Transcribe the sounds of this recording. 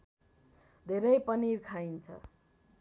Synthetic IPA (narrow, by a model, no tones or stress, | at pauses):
d̪ʱeɾʌjpʌniɾkʰajnt͡sʰʌ̰